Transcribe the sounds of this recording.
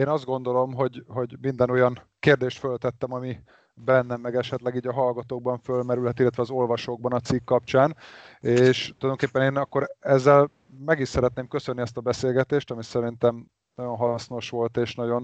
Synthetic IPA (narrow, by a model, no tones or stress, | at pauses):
eːnɒzd̪ɡo̞n̪d̪o̞lo̞mɦo̞ɟɦo̞ɟmind̪ɛno̞jɒn | keːrd̪eːʃt̪følt̪ɛt̪ːɛmɒmi | bɛnːɛmːɛɡɛʃɛt̪lɛɡiːɟɒɦɒlɡɒt̪oːɡ̚bɒɱfølmɛɾylɦɛt̪ilːɛt̪ʋɛɒzo̞lvɒʃoːɡ̚bɒnɒt̪sikːɒpt͡ʃaːneːʃt̪olɒjd̪oŋkepːɛneːnɒkːo̞ɾɛzːɛl | mɛɡiʃsɛɾɛt̪neːmkø̞sønːiɛst̪ɒbɛseːlɡɛt̪eːʃt̪ɒmisɛɾint̪ɛm | nɒɟo̞nɦɒlɒsno̞ʃʋo̞lt̪eːʃnɒɟo̞n